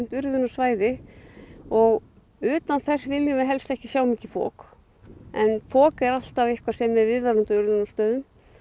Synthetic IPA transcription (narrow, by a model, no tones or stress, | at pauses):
n̥t̪ʏɾðʏnasvaːjðɪ | ɔɣ | ʏːt̪anθɛsvɪljʏmɪɦɛlst̪ɛhcɪ̥sjaːwmiːcɪ̥fɔ̰ːk | ɛnfɔːkɛɾal̥t̪avɪhkvasɛmːɛðvɪðvaɾʏmt̪aʏɾðʏnast̪œːðʏm